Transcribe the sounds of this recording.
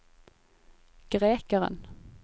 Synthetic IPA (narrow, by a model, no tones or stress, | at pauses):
ɡ̥ʁeːkəʁə̰n